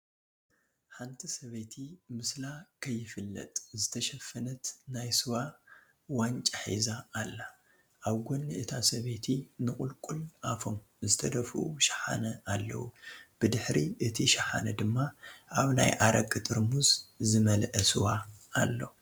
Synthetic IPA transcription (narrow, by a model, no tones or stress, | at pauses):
ħant̪ʰisɐβet̪ʰimɨslakʰɐjːɪfɨlːɐ̰t̪ʼzɨt̪ʰɐʃɐfːɐnɐt̪najsɨwa | want͡ʃʼaħḭzaːlːa | ʔaβɡonːiʔɨt̪ʰasɐβet̪ʰinɨkʼʊlkʼulafom | zɨt̪ʰɐd̪ɐfʔuʃɐ̥ħa̰nɐʔalːɐ̰wub̥ɨd̪ɨħɾiʔɨt̪ʰiʃɐħa̰nɐd̪ɨmːaʔaβna̰jʔaɾʔɐkʼːɨt̪ʼɨɾmuzzɨmɐlʔɐsɨwaalːo̞̰